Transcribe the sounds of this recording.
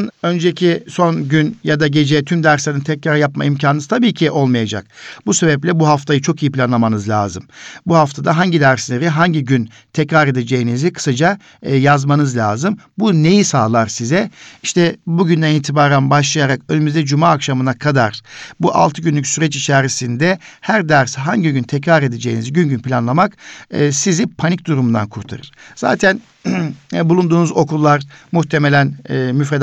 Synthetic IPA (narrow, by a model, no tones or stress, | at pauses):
nø̞nd͡ʒecʰiso̞nɟynjad̪aɟe̞d͡ʒɛt̪ʰymd̪æɾslʲenint̪ʰɛcɾaɾjapma̰imcʰanɯnɯt̪ʰabiːcʰiʔo̞lˠmajad͡ʒa̰k̚buse̞bɛplʲɛbuɦaft̪ʰajɯt͡ʃʰo̞kijipʰilʲanlˠamanɯzlʲa̰ːzɯmbuhaft̪ʰad̪aɦaɲɟid̪æɾslʲeɾiɦaɲɟiɟyn | t̪ʰɛcɾaɾe̞d̪e̞d͡ʒe̞jinizikʰɯ̥sad͡ʒa | jazmanɯzlʲa̰ːzɯmbune̞jisaːlˠaɾsizɛiʃt̪ʰɛbuɟynd̪æniːt̪ʰibaːɾanbaʃlˠajaɾakønymyzd̪ɛd͡ʒumaːkʃamɯnakʰad̪aɾ̥buʔa̰lˠt̪ʰɯɟynlʲycʲsyɾɛt͡ʃit͡ʃʰaːɾisind̪ɛhæɾd̪æɾsɦaɲɟiɟynt̪ʰɛcɾaɾe̞d̪e̞d͡ʒejiniziɟynɟynpʰʲilʲanlˠamakːsizipʰanic̚d̪uɾumund̪a̰nkʰuɾt̪ʰa̰ɾɯ̰ɾ̥z̥a̰ːt̪ʰæn | bulˠund̪uːnuzo̞kʰulˠːaɾmuht̪ʰe̞me̞lʲænːmyfɾed̪